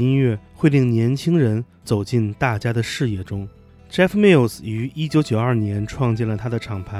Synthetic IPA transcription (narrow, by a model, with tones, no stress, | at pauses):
i˥nɥɛ˥˧xwe˥˧ɪt̪i˥˩ŋnjɛ˧˥nt͡ɕʰi˥ŋɻə˧˥n | t͡so˨˩ʊt͡ɕi˥˧nt̪a˥˩t͡ɕja˥d̪ə˨ʂɻ̩˥˧jɛ˥˩ʈ͡ʂʊ˥ŋ | ʈ͡ʂɛ˥fmɛ˥˩lsy˧˥i˥t͡ɕjo˧˥ʊt͡ɕjo˨˩ʊɐ˞˥˩njɛ˧˥nʈ͡ʂʰwɑ˥˧ŋt͡ɕjɛ˥˩nlə˩t̪ʰa˥d̪ə˨ʈ͡ʂʰɑ˨˩ŋpʰa˧˥